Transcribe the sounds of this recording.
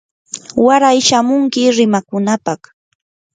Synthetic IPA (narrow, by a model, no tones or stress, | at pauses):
waɾajʃamʊŋkɪɾɪmakʊnapaχ